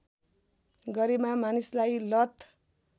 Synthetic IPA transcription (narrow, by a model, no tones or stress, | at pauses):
ɡʌɾemamanislajlʌt̪